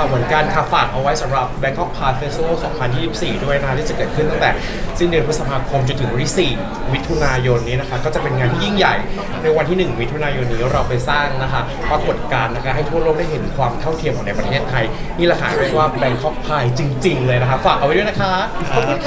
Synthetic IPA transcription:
a˩mɯ˩˦ənkaː˧nkʰa˧˩faː˨˩k̚ʔa˧wa˦˥jsa˩˦mɾa˨˩p̚bɛ˦˥kʰɔ˦˥p̚ʰːaː˧jfeː˦˥səː˥˩sɔ̰ː˩˦ŋpʰa˧nji˥˩si˨˩p̚siː˨˩du˥˩əjna˦˥kʰa˦t̪ʰiː˥˩t͡ɕa˨˩kɤː˨˩t̪̚kʰɯ˥˩nt̪a˥˩ŋt̪ɛː˨˩ | si˥˩ndɯ˧npʰu˦˥sa˧pʰaː˧kʰo˧mt͡ɕo˧nt̪ʰɯ˩˦ŋwa˧˦t̪ʰi˥siː˨˩ | wi˦˥t̪ʰːu˧naː˧jo˧nːiː˦˥na˦˥kʰa˦˥kɔː˥˩t͡ɕa˨˩pe˧nŋaː˧nt̪ʰiː˥˩ji˥˩ŋja˨˩j | na˧jwa˧nt̪ʰiː˥˩nɯ˨˩ŋwi˦˥t̪ʰːu˧naː˧jo˧nːiː˦˥ɾa˧wpa˧jsaː˥˩ŋna˦˥kʰa˦˥ | pa˧ko˨˩t̪̚kaː˧nːa˦˥kʰa˦˥ɦa˥˩jt̪ʰu˥˩ɐəloː˥˩k̚da˥˩jɦe˩˦nkʰwaː˧mt̪ʰa˥˩wt̪ʰi˧əmʔɔː˨˩na˧jpɾa˧t̪ʰeː˥˩t̪ʰːa˧j | niː˥˩lɛ˧˩kʰaː˩˦du˥˩əkwaː˥˩bɛ˧˥kkʰɔ˦˥p̚pʰːaː˧jt͡ɕi˧ŋt͡ɕi˧ŋlɤː˧jna˦˥kʰa˦˥faː˨˩k̚a˧wa˦du˥˩˨na˦˥kʰa˦˥˧

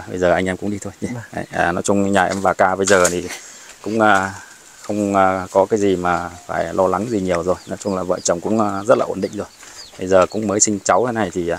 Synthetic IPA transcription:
ɓə̰˧jzəː˨˩ʔa˧jŋʔɛ˧mkʊ̰˧˥ŋ͡mɗi˧t̪ʰo˧ji˧˩˨ʔnɔ˨˦jt͡ɕʊ˧ŋ͡mɲaː˨˩ʔɛ˧mvaː˨˩kaː˧ɓə˧jzəː˨˩t̪ʰi˨˩kʊ̰˧˥ŋ͡mʔəː˧ | xə˧wŋ͡mʔːkɔ˨˦kaː˨˦jzi˨˩maː˨˩faː˧˩jlɔ˧la˨˦ŋzi˨˩ɲi˨˩əwzo˨˩jnɔ˨˦jt͡ɕʊ˧ŋ͡mlaː˨˩və̰ː˧˨jt͡ɕə˨˩wŋ͡mkʊ̰˧˥ŋ͡mʔzə˦˥t̚laː˨ʔnɗḭ˧˨ŋ̟zo˨˩jɓə˧jzəː˨˩kʊ̰˧˥ŋ͡mməː˨˦jsï˧ŋ̟t͡ɕa˨˦wt̪ʰe˨˦na˧jt̪ʰi˨˩˨

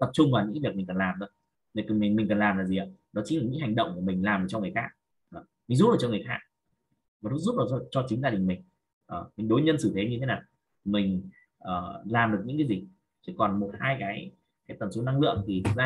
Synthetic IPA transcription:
t̪ə˨˩p̚t͡ɕʊ˧ŋ͡mva˨˩ɲɨ̰˧˥˨vi˨˩ək̚mi̟˨˩kə˨˩nlaː˨˩mzə̰˨˦ | i˨˩kmi˨˩ŋmi̟˨˩kə˨˩nlaː˨˩mlaː˨˩zi˨˩aː˨˦nɔ˨˦t͡ɕi˧˨˦la˨˩ɲɨ̰˧˥hɦa˨˩ŋ̟ɗə̰˧˨wŋ͡mku˧˩mï˨˩ŋ̟laː˨˩mʔə˨˧˩t͡ɕɔ˧ŋ˨˩xaː˦˥k̚ | ʔəː˨˩mi˨˩ŋ̟zu˦˥ʔəː˧˩t͡ɕɔ˧ŋ˨˩jxaː˦˥k̚ | vaː˨˩tɨ˧˥zu˦˥p̚vaː˨˩˧t͡ɕɔ˧t͡ɕï˨˦ŋzaː˧ɗï˨˩ŋmï˨˩ŋ̟ | ʔəː˨˩mi˨˩ŋ̟ɗo˨˦jɲə˧nsɨ˧˩t̪ʰe˨˦ɲɨ˧t̪ʰe˨˦naː˨˩w | mï˨˩ŋ̟ | ʔəː˨˩laː˨˩mɗɨ˨˩ək̚ɲɨ̰˧˥kaː˨˦zi˨˩ | t͡ɕɨ˦˧˥kːɔ˨˩nmo˨˩t̚haː˧jkaː˨˦j | kaː˨˦jt̪ə˨˩nso˨˦na˧ŋlɨ̰˧˨əŋt̪ʰi˨˩˧zaː˧

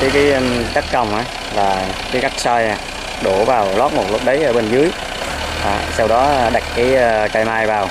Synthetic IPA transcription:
kaː˨˦jkaː˨˦jt͡ɕə˦˥t̚kə˨˧˩wŋ͡mʔaː˨˦ | laː˨˩kaː˨˦jɣa˦˥k̚saː˧jha˨˩ | ɗu˧˩vaː˨˩wlɔ˦˥t̚mo˨˩t̚lə˦˥k͡p̚ɗə˨˦jʔəː˧˩ɓe˧nzɨ˨˦əj | ʔa̰ː˨˩sa˧wɗɔ˨˦˧ɗa˨˩jk̚kaː˨˦jkaː˧jmaː˧jvaː˨˩w

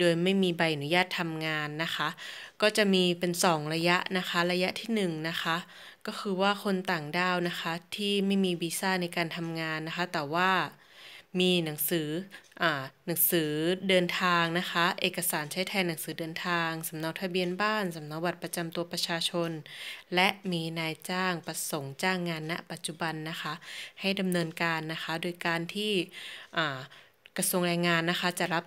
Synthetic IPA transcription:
doː˧jma˥˩jmiː˧ba˧jʔa˨nu˦˥jaː˥˩t̪ʰːa˧mŋaː˧nːa˦˥xʰa˦˥ʔkɔː˥˩t͡ɕa˨˩miː˧pe˧nsɔː˩˦ŋɾa˧ja˦˥ʔna˦˥xʰa˦˥ɾa˧ja˦˥ʔt̪ʰiː˥˩nɯ˨˩ŋna˦˥xʰa˦˥ | kɔː˥˩xʰɯː˧waː˥˩kʰo˧nt̪aː˨˩ŋdaː˧˩wna˦˥xʰa˦˥t̪ʰiː˥˩ma˥˩jmiː˧biː˧saː˥˩na˧jkaː˧nt̪ʰa˧mŋaː˧nːa˦˥xʰa˦˥t̪ɛː˨˩waː˥˩ | miː˧na˩˦ŋsɯː˩˦ʔaː˨˩na˩˦ŋsɯː˩˦dɤː˧nt̪ʰaː˧ŋna˦˥kʰa˦˥ʔeː˨˩ka˧saː˩˦nt͡ɕʰa˦˥jt̪ʰaː˧jna˩˦ŋsɯː˩˦dɤː˧nt̪ʰaː˧ŋsa˩˦mna˦˥k̚t̪ʰa˧bi˧ənbaː˥˩nsa˨˩˦mna˧˦˥wba˧˩t̪̚pa˧t͡ɕa˧mt̪u˧ɐpɾa˧t͡ɕʰaː˧t͡ɕʰo˧nlɛ˦˥ʔmiː˧naː˧jt͡ɕaː˥˩ŋpa˧so˨˩˦ŋt͡ɕaː˥˩ŋːaː˧nːa̰˦˥ʔpa˨˩t̪̚t͡ɕu˧˩ba˧nːa˦˥xʰa˦˥ʔha˥˩jda˧mnɤː˧nkaː˧nːa˦˥xʰa˦˥doː˧jkaː˧nt̪ʰiː˥˩ʔaː˨˩ | kɾa˧su˧əŋɾaː˧jŋaː˧nːa˦˥xʰa˦˥t͡ɕa˨˩la˦˥p̚

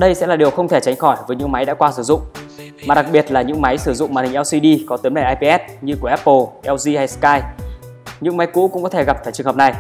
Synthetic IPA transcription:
ɗə˧jsɛ̰˧˥laː˨˩ɗi˨˩əwxə˧wŋ͡mt̪ʰe˧˩t͡ɕa˨˦jŋ̟xɔ˧˩jvəː˨˦jɲɨ̰˧˥ŋma˨˦jɗa̰ː˧˥kwaː˧sɨ˧˩zʊ̰˧˨ŋ͡m | maː˨˩ɗa˨˩k̚ɓi˨˩ət̚laː˨˩ɲɨ̰˧˥ŋma˨˦jsɨ˧˩zʊ̰˧˨ŋ͡mmaː˨˩nhï˨˩ʔɛ˧wsi˧ɗi˧kɔ˨˦t̪i˨˦mɛ˧˩ʔaː˧jpi˧ʔɛ˦˥t̚ɲɨ˧ku˧˩əʔɛ˦˥pːo˨˩ʔɛ˧wzi˧ha˧jskaː˧j | ɲɨ̰˧˥ŋma˨˦jkṵ˧˥kʊ̰˧˥ŋ͡mkɔ˨˦t̪ʰe˧˩ɣa˨˩p̚faː˧˩jt͡ɕɨ˨˩əŋəː˨˩p̚na˨˩j

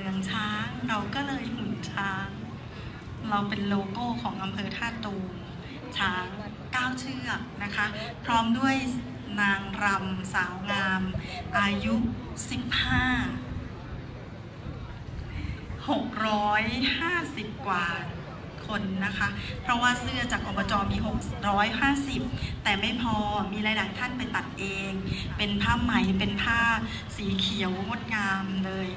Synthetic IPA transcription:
mɯ˧əŋt͡ɕʰaː˦˥ŋɾa˧wkɔː˥˩lɤː˧jhu˨˩˦ŋt͡ɕʰaː˦˥ŋ | ɾa˧wpe˧nloː˧koː˥˩kʰɔː˩˦ŋʔa˧mpʰɤː˧t̪ʰaː˥˩t̪uː˧m | t͡ɕʰaː˦˥ŋ | kaː˥˩wt͡ɕʰɯ˥˩ɐk̚na˦˥kʰa˦˥pʰɾɔː˦˥mdu˥˩əj | naː˧ŋɾa˧msaː˩˦wŋaː˧mʔaː˧ju˦˥si˨˩p̚haː˥˩ | ho˨˩k̚ɾɔː˦˥jhaː˥˩si˨˩p̚kwaː˨˩ | kʰo˧nːa˦˥kʰa˦˥ʔpʰɾɔ˦˥waː˥˩sɯ˥˩ɐt͡ɕaː˨˩k̚ːɔː˧bɔː˧t͡ɕɔː˧miː˧ɦo˨˩k̚ɾɔː˦˥jɦaː˥˩si˨˩p̚t̪ɛː˨˩ma˥˩jpʰɔː˧miː˧ɾaː˧jlaː˨˩jt̪ʰa˥˩npa˧jt̪a˨˩t̪̚ʔeː˧ŋ | pe˧npʰaː˥˩ma˨˩jpe˧npʰaː˥˩ | siː˩˦kʰi˨˩˦ə˦wŋo˦˥t̪̚ŋaː˧mlɤː˧j

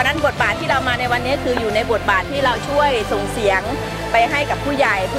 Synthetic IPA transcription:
na˥˨bo˨˩t̪̚baː˨˩t̪ʰːiː˥˩ɾa˧wmaː˧na˧jwa˧nːiː˦˥˩kʰɯː˧juː˨˩na˧jbu˨˩ət̪̚baː˨˩t̪ʰːiː˥˩ɾa˧wt͡ɕʰu˥˩əjso˨˩ŋsi˨˩˦əŋ | pa˧jɦa˥˩jka˨˩pʰːuː˥˩ja˨˩j

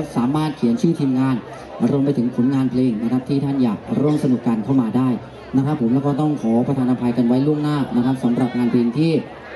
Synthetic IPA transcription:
saː˨˩˦maː˥˩t̪̚kʰi˨˩˦ənt͡ɕʰɯː˥˩t̪ʰiː˧mŋaː˧n | ɾo˧mp̬a˧jt̪ʰɯ˩˦ŋpʰu˨˩˦nŋaː˧npʰleː˧ŋna˦˥kʰa˦˥t̪ʰiː˥˩t̪ʰa˥˩njaː˨˩k̚ɾoː˥˩msa˧nu˨˩kːaː˧nkʰa˥˩wmaː˧daː˥˩j | na˦˥kɾa˦˥pʰːo˩˦mlɛː˦˥wkɔː˥˩t̪ɔ˥˩ŋkʰɔː˩˦pɾa˧t̪ʰaː˧nʔa˧pʰa˧jka˧nwa˦˥jlu˥˩əŋnaː˥˩na˦˥kʰɾa˦˥p̚sa˩˦mɾa˨˩p̚ŋaː˧npʰleː˧ŋt̪ʰiː˥˩

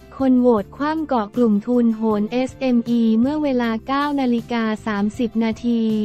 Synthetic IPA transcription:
kʰo˧nwoː˨˩t̪̚kʰwaː˧˥˩mkɔː˨˩klu˨˩mt̪ʰu˧nɦoː˩˦nʔe˦˥sʔe˧mʔiː˧mɯ˥˩əweː˧laː˧kaː˥˩wnaː˧li˦˥kaː˧saː˩˦msi˨˩p̚naː˧t̪ʰiː˧

